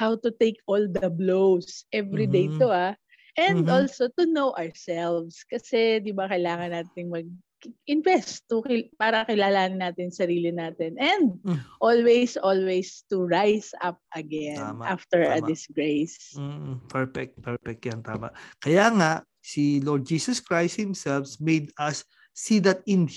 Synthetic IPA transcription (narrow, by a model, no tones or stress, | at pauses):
hawt̪ʊt̪ejkʔold̪ɐblowsʔɛvɾid̪ejt̪oa | ʔɛ̃nd̪olsot̪ʊnowʔaɹsɛlvskɐsɛd̪ɪbakɐjlaːŋɐnaːt̪ɪŋmɐɡ̚ | ɪnvɛst̪ːʊkɪpaːɾɐkɪlaːlaːnɪnaːt̪ɪnsɐɾiːlɪnaːt̪ɪnɛ̃nd̪̚ʔolwejsʔolwejst̪uɹajsɐ̰p̚ʔɐɡɛnnmʔaft̪ɛɹɐd̪ɪsɡɹejs | pʰɛɹfɛk̚t̪̚pɛɹfɛk̚t̪jant̪a̰ːma̰ʔkɐjaŋaʔ | silɔɹd̪̚d͡ʒiːsɐskɹajst̪̚hɪ̃msɛlfsmejd̪ɐsː | id̪ɐt̪̚ɪn